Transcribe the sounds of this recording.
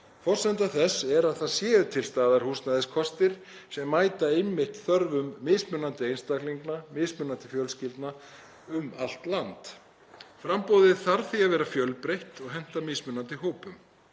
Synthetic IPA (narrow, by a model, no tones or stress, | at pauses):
fɔr̥sɛnt̪aθɛsɛɾaðθaðsjɛːʏt̪ʰɪlst̪aːðaɾ̥huːsnaðɪskʰɔst̪ɪɾ̥ | sɛmːaːjt̪aejmːɪht̪θœɾvʏmːɪsmʏnant̪ɪejnst̪akliŋknamɪːsmʏnant̪ɪfjœlscɪlt̪na | ʏmal̥t̪lant̪ | fɾampowðɪðθaɾθiavɛːɾafjœlpɾejht̪ɔɣɦɛn̥t̪amɪːsmʏnant̪ɪɦoːwpʏm